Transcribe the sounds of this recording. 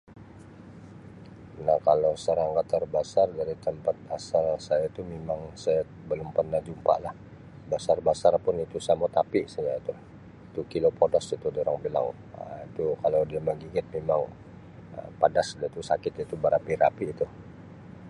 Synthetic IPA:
nahkalowsəɾaŋɡat̪ːərbasardaɾit̪əmpat̪̚asalsajait̪umemaŋsaja | bəlʊmpərnahd͡ʒumpa̰ʔlah | basarbasarpʊnit̪usamot̪apiʔsajait̪u | it̪ukilopodasit̪udoɾaŋbila̰ŋ | əit̪ukalawdiaməɡiɡɪt̪̚memaŋ | ə̰padasdat̪usakɪt̪it̪ubaɾapiɾa̰piːt̪u

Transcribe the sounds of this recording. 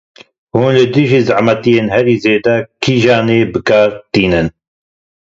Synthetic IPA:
huːnlɨd̪ɨʒiːzaʕmɛt̪ijeːnhɛɾiːzeːd̪ɛkʰiːʒaːneːbɨkaːɾt̪iːnɨn

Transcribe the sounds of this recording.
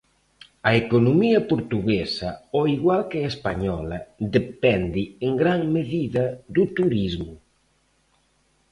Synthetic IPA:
ɐekonomiɐpoɾt̪uɣesɐɔiɣwalkeespaɲɔlɐðepɛnd̪ɪeŋɡɾaŋmeðiðɐðut̪uɾizmʊ

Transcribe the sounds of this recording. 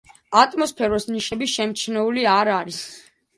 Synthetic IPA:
at̪ʼmɔspʰɛɾɔsniʃɛbiʃɛmt͡ʃʰnɛuliaɾaɾis

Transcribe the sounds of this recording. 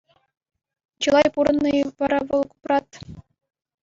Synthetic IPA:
t͡ɕɯlˠɑjpuɾɤ̆nːɤʋɑɾɑʋɤ̆lˠku̥prɑt̪

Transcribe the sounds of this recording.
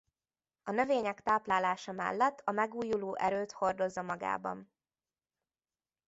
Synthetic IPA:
ɒnø̞veːɲɛkt̪aːplaːlaːʃɒmɛ̰lːɛt̪ːɒmɛɡuːjuloːʔɛɾøːt̪ho̞rd̪o̞zːɒmɒɡa̰ːbɒ̰n

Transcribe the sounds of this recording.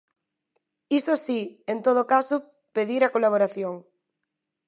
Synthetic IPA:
isosient̪oð̞okaso | peðiɾakolaβ̞oɾaθjoŋ

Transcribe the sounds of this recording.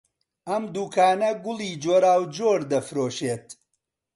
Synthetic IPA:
ʔɐmd̪uːkʰaːnɐɡʊlˠiːd͡ʒoːɾaːwd͡ʒoːɾd̪ɐfɾoːʃeːt̪

